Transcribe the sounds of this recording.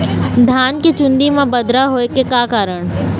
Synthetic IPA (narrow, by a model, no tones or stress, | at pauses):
d̪ʱaːnket͡ʃʊ̃nd̪imãbɐd̪ɾaɦoːekekaːkaːɾəɽ̃